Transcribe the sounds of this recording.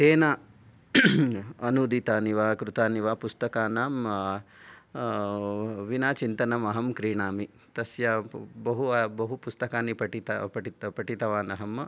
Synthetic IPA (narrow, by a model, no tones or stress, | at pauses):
seːnaː | ɐnuːd̪it̪aːniʋaːkɾut̪aːniʋaːpust̪ɐkaːnaːm | ʋinaːt͡ʃint̪ɐnɐmɐɦɐmkɾiːɳaːmi | t̪ɐsjɐbɐɦubɐɦupust̪ɐkaːnipɐʈit̪ɐ̰pɐʈipɐʈit̪ɐʋaːnɐɦɐm